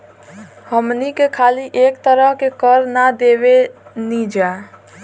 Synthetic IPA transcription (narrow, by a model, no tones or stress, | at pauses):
həmnikekʰaliʔekt̪əɾəɦkekəɾnad̪ebenid͡ʒa